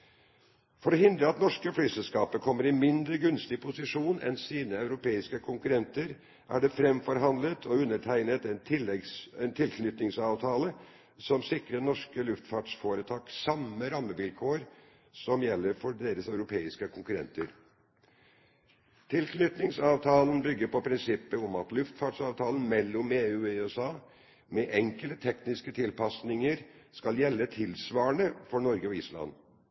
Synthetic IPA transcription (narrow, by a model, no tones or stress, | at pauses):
fɔɾɔɦɪnd̪ɾəɑt̪nɔʂkəflyːsɛlskɑːpəkʰɔmːəɾɪmɪnd̪ɾəɡʉnst̪ɪpʰʊsɪʂuːnɛ̰nsiːnəɑʉɾʊpʰeːɪskəkʰʊŋkʉɾɛnt̪əɾ | ʔæ̰ɖɛfɾɛmfɔɾɦɑnd̪lət̪ʰɔʉnːəʈʰæɪnət̪ɛnt̪ʰɪlsɛnt̪ʰɪlkʰnʏt̪nɪŋsɑːʋt̪ʰɑːlə | sɔmsɪkɾənɔʂkəlʉft̪fɑːʈʂfoːɾət̪ʰɑːksɑməɾɑmːəʋɪlkʰoːɾ | sɔmjɛlːəɾfɔɖeːɾəsɑʉɾʊpʰeːɪskəkʰʊŋkʉɾɛ̰nt̪əɾ | t̪ʰɪlkʰnʏt̪nɪŋsɑːʋt̪ʰɑːlnbʏɡːəɾpɔpʰɾɪnsɪpːəɔmɑt̪lʉft̪fɑʈsɑːʋt̪ʰɑːln̩mɛlːɔmeːʉːeøsɑː | mɛʔɛŋkəlt̪ət̪ʰɛknɪskət̪ʰɪlpʰɑsnɪŋəɾskɑljɛlːət̪ʰɪlsʋɑːəɳəfɔɳɔɾɡəɔɪːslɑ̰n